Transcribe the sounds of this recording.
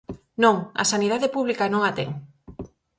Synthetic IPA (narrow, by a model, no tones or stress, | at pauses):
nõŋɐ̰sanið̞aðepuβlikanõŋat̪ɛ̰ŋ